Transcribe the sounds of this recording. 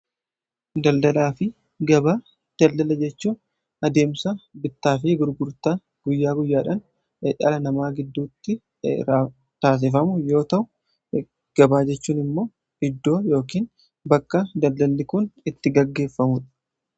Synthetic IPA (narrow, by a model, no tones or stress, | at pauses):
d̪ɐld̪ɐlaːfɪ | ɡɐbaː | d̪̥ɐld̪ɐlɐd͡ʒɛt͡ʃːuːn | ɐd̪e̞ːmsɐbɪt̪ːaːf̬ɪɡʊɾɡʊɾt̪a | ɡ̥ʊjːaːɡʊjːaːᶑɐn | eᶑɐ̰lɐnɐmaːɡɪd̪ːuːt̪ːɪ | ɾ | t̪aːs̬ɪfɐmʊjo̞ːt̪ɐʔʊ | ɡ̥ɐbaːd͡ʒɛt͡ʃːuːnɪmːo̞ː | ɪd̪ːo̞ːjo̞ːkiːn | bɐkːɐd̪ɐld̪ɐlːɪkʊnɪt̪ːɪɡɐɡːe̞ːfːɐmʊᶑɐ̥